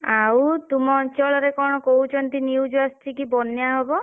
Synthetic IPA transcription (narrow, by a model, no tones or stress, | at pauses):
awt̪umɔnt͡ʃɔɭɔɾekɔɽ̃ɔkout͡ʃʰɔnt̪iniwd͡ʒasʈʰikibɔnjaɦɔbɔ